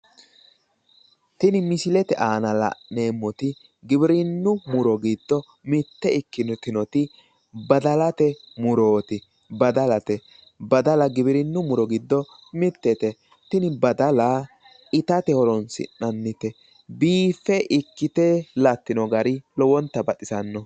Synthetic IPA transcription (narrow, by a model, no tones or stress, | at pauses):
t̪ɪnɪmɪsɪlɛt̪ɛʔaːnɐlɐ̰neːmːɔt̪ɪ | ɡɪbɪɾɪnːʊmʊɾɔɡɪd̪ːɔ | mɪt̪ːɛɪkːɪnkɪnɔt̪ɪ | bɐd̪ɐlɐt̪ɛ | mʊɾo̞ːt̪ɪ | bɐd̪ɐlɐt̪ɛ | bɐd̪ɐlɐɡɪbɪɾɪnːʊmʊɾɔɡɪd̪ːɔ | mɪt̪ːɛt̪ɛ | t̪ɪnɪbɐd̪ɐla | ɪt̪ɐt̪ɛhɔɾɔnsɪ̰nːɐnːɪt̪ɛ | biːfːɛʔɪkːɪt̪ɛlɐt̪ːɪnɔɡɐɾɪlɔwɔnt̪ːɐbɐtɪsɐnːɔ